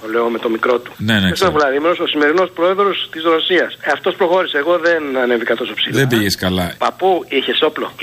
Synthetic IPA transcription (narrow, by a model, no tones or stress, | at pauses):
oleo̞me̞t̪o̞mikɾo̞t̪u̥neneest̪ovulɐðimeɾososime̞ɾino̞spɾo̞e̞ðɾo̞st̪izɾo̞siɐsɐft̪o̞spɾo̞xo̞ɾiseːɣo̞ðe̞nɐne̞vikɐt̪o̞sopsiðembiʝeskɐlɐpɐpuiçeso̞plo̞̰